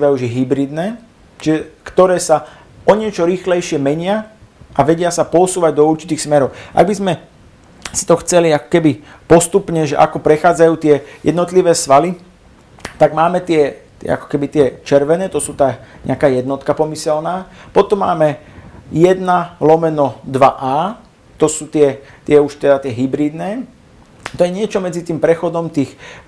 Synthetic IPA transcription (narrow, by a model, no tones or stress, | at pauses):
ʋauʒɛɦibɾid̪nɛː | t͡ʃiʒɛkt̪ɔɾɛːsa | ɔɲɪɛt͡ʃɔɾiːxlɛjʃɪɛmɛɲɪa | ʔaʋɛɟɪasapɔsuːʋaɟd̪ɔuɾt͡ʃit̪iːxsmɛɾɔʊʔa̰ɡbizmɛ | si̥t̪ɔxt͡sɛliakɔ̥kɛbi | pɔst̪upɲɛʒɛ̰ʔa̰kɔpɾɛxaːd͡zajuːt̪ɪɛjɛ̰d̪nɔt̪liʋɛːsʋali | t̪aɡmaːmɛt̪ɪɛt̪ɪɛ̰a̰kɔ̥kɛbit̪ɪɛt͡ʃɛɾʋɛnɛːt̪ɔsuːt̪aːɲɛ̰akaːjɛd̪nɔt̪kapɔmisɛlnaːpɔt̪ɔmːaːmɛjɛd̪nalɔmɛnɔd̪ʋaʔaː | t̪ɔsuːt̪ɪɛt̪ɪɛuʃt̪ɛd̪at̪ɪɛɦibɾiːd̪nɛː | t̪ɔjɛɲɪɛt͡ʃɔmɛd͡zit̪iːmpɾɛxɔd̪ɔmt̪iːx